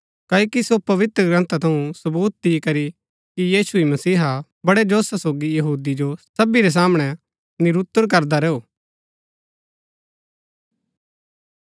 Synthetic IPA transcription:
kaːokisopɐʋɪt̪ɾəɡɾɐ̃nt̪at̪ʰɐũsɐbuːt̪̚d̪ikɐɾi | kijiːsuimɐsiːɦa | bɐɽed͡ʒoːsasoːɡijɐɦuːd̪id͡ʒosɐbiɾɛs̬aːmɽ̃ɛ | nɪɾut̪ːəɾk̬ɐɾd̪aɾɛːuː

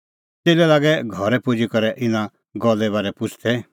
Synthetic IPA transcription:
t͡seːlɛlaːɡɛɡʱɔɾɛpʊd͡ʒikɔɾɛʔɪnã | ɡɔlɛβaːɾɛpʊt͡ʃʰt̪ʰɛ

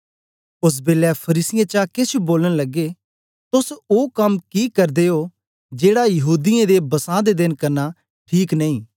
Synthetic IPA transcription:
ʊs̬beːlɛpʰɐɾiːsɪjãːt͡ʃakɪt͡ʃuboːləɽ̃lɐɡeː | t̪ʊsoːkɐmkiːkɐɾd̪eːoː | d͡ʒeːɽajɐɦuːd̪ɪẽd̪ebɐsãːd̪ed̪ɪnkɐɾna | ʈʰiːknɐĩː

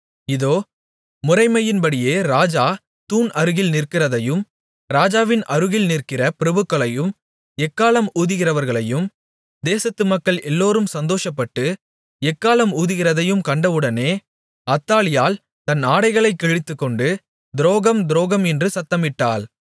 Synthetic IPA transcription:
ɪðoː | mʊrɐɪmɐjɪnbɐɽɪjeːɾaːd͡ʒaː | t̪uːnɐɾɯɣɪlnɪrkɪrɐðɐjɯm | ɾaːd͡ʒaːʋɪnʔɐɾɯɣɪlnɪrkɪrɐpɪɾɐbɯkːɐɭɐjɯm | ɛkːaːlɐmuːðɯɣɪrɐʋɐɾɣɐɭɐjɯm | d̪eːsɐt̪ːɯmɐkːɐɭɛlːoːɾɯmsɐnd̪oːʂɐpːɐʈːɯ | ɛkːaːlɐmuːðɯɣɪrɐðɐjɯmkɐɳɖɐʋɯɽɐneː | ɐt̪ːaːlɪjaːl | t̪ɐnaːɽɐɪɣɐɭɐɪkːɛɻɪt̪ːɯkːɔɳɖɯ | d̪ɪɾoːɣɐmd̪ɪɾoːɣɐmɛndrɯsɐt̪ːɐmɪʈːaːl

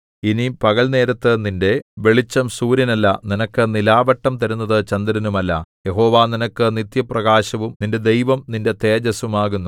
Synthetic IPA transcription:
inipɐɣɐɭne̞ːɾɐt̪ːɨninde̞ʋe̞ɭit͡ɕːɐmsuːɾɐnɐlːɐninɐkːɨnilaːʋɐʈːɐmt̪ɐɾunːɐðɨt͡ɕɐnd̪ɐɾɐnumɐlːɐ̰je̞ɦo̞ːʋaːninɐkːɨnit̪jɐprɐɣaːɕɐʋumninde̞d̪e̞jʋɐmninde̞t̪e̞ːd͡ʑɐsumaːɣunːu

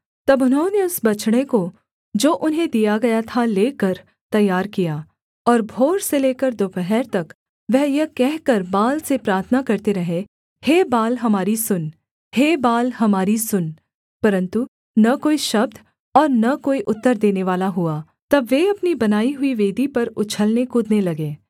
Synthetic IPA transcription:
t̪ɐbʊnɦaoneʊsbɐt͡ʃɽ̃eko | d͡ʒoːʔʊnɦẽd̪ijaɡɐjat̪ʰaleːkəɾ | t̪ɐjːaːɾkijaː | ɔːɾbʱoːɾseleːkəɾd̪oːpɛɦɛːɾt̪ɐk | ʋɛɦjɐkɛɦkɐɾbaːlsepɾaːɾt̪ʰənakɐɾt̪eɾɐɦe | heːbaːlɦɐmaːɾisʊn | heːbaːlɦɐmaːɾisʊn | pɐɾə̃nt̪u | nɐkoːiʃɐb̚d̪ | ɔːɾnɐkoːiʔʊt̪ːəɾd̪eːneʋaːlaɦua | t̪ɐbːeɐpnibɐnaːiɦʊiʋeːd̪ʱipɐɾʊt͡ʃʰəlnekʊd̪nelɐɡeː

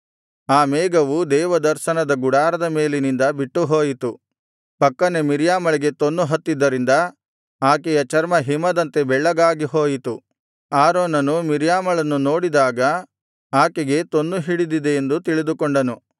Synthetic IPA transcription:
aːmɛːɡɐʋud̪ɛːʋɐd̪ɐɾʃɐnɐd̪ɐɡuɽaːɾɐd̪ɐmeːlinind̪ɐbiʈːuɦoːjit̪u | pɐkːɐnemiɾjaːmɐɭiɡe̞t̪onːuɦɐt̪ːid̪ːɐɾind̪ɐ | aːkɛjɐt͡ʃɐɾmɐɦimɐd̪ɐnt̪e̞bɛɭːɐɡaːɡiɦoːjit̪u | aːɾoːnɐnumiɾjaːmɐɭɐnːuno̞ːɽid̪aːɡɐ | aːkɛɡe̞t̪o̞nːuɦiɽid̪id̪e̞ːnd̪ut̪iɭid̪ukoɳɖɐnu

